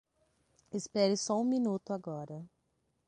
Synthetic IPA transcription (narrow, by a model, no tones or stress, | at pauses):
ɪspɛɾɪsɔũminut̪ʊaɡɔɾɐ